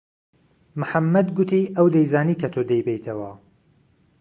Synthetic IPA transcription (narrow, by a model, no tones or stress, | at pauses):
mʊħamːɐd̪ɡʊt̪iːʔɐwd̪ɐjzaːniːkʰɐt̪ʰoːd̪ejbejt̪ʰɐwɐ